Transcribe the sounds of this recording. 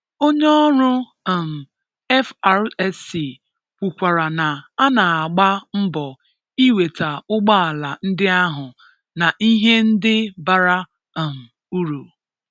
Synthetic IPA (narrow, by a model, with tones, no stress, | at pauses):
o˦ɲe˦ɔ˦ɾʊ˦˨ | m̩˨ | ɛ˦fa˨ɾɛ˦si˨ | kʷu˨kʷa˨ɾa˨na˨a˦na˨a˨ɡ͡ba˦m̩˦bɔ˨ | i˦we˨ta˨ʊ˦ɡ͡ba˦a˨la˨n̩˦dɪ˦a˦ɦʊ˨ | na˨ʔi˦ɦe˦n̩˦dɪ˦ba˨ɾa˦˨ | m̩˨ | u˦ɾu˨